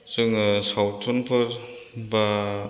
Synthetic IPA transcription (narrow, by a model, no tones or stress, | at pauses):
sɯŋsawtʰunpʰɯɾ | ba